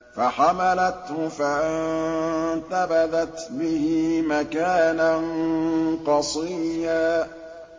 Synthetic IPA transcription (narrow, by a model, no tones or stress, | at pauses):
faħamalat̪hʊfaʔɪnt̪abaðat̪bɪhɪmakaːnanqɑsˤiːjaː